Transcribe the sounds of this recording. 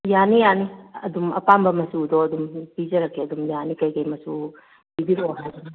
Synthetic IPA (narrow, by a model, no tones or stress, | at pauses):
janijaniɐdumɐpambɐmɐsudɔɐd̪umpid͡ʒɐɾɐkʰːeɐd̪umjanikɐjkɐjmɐsu | bibiɾoɦa